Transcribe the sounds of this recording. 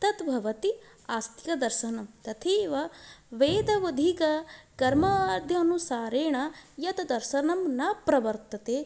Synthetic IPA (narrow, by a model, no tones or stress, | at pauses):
t̪ɐt̪bʱɐʋɐt̪i | aːst̪ʰikɐd̪ɐɾʃɐnɐmt̪ɐt̪ʰeːʋɐʋeːd̪ɐʋɐd̪ʱikɐkɐɾmɐɾd̪ʱjɐːnusaːɾeːɳɐjɐt̪ɐd̪ɐɾʃɐnɐmnɐpɾɐʋɐɾt̪ɐt̪eː